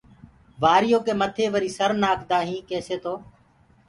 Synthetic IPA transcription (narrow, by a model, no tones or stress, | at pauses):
ʋaːɾɪjoːkeːmət̪ʰeːʋəɾiːsəɾnaːkʰd̪aːɦĩːkeːseːt̪oː